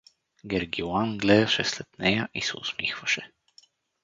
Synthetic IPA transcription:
ɡɛɾɡʲianɡlɛd̪ɐʃɛslɛt̪nɛjəʔisɛʊ̰smixvɐʃɛ

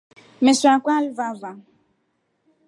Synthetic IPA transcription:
mesakʷalvava

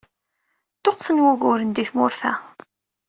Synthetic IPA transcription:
t̪oqθənwuɣʊɾənd̪iθmʊɾθæ̰

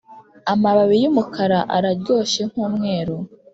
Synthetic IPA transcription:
amaβaβijumukʰaɾaʔa̰ɾaɾɟo̞ːʃe̞ŋ̥huːmŋe̞ːɾo

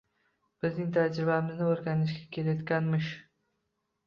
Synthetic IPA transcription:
b̥ɪznɪŋt̪ʰad͡ʒɾɪbamɪznɪoɾɡʲanɪʃɡʲakʲʰe̞lajɒt̪̚kʲanmɪʃ

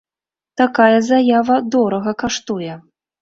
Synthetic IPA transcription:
t̪akajɐzajavɐd̪ɔɾɐɣɐkaʂt̪ujɛ

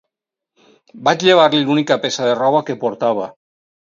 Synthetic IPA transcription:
bat͡ʃʎeβ̞aɾlilunikapesaðerɔβ̞akepoɾt̪aβ̞a

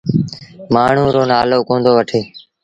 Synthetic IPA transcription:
maːɳ̤ũːɾoːnaːloːkõːnd̪oːʋəʈʰeː

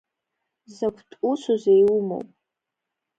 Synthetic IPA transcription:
zakʷʰtʼusuzejumo̰wpʼ

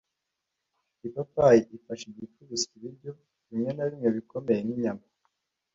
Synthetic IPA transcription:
ipatwajiʔifaʃiɲifuβiziβiɾɟo̞ | βimɲe̞naβimŋe̞βikome̞jeniɲama

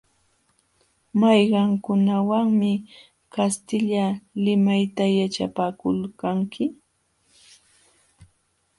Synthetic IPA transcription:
majɢɑŋkʊnawaŋmɪ | kast̪ɪʎalɪmajt̪ajat͡ʃapaːkʊlkaŋkʰɪ

